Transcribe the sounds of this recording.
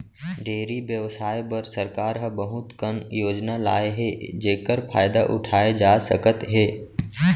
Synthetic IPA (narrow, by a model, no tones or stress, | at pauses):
ɖʱeːɾibjəʋsaːjpəɾsəɾkaːɾɦəbəɦʊt̪kənjoːd͡ʒnalaːeɦed͡ʒeːkəɾpʰaːjd̪aʔʊ̰ʈʰaːed͡ʒaːsəkət̪ɦeː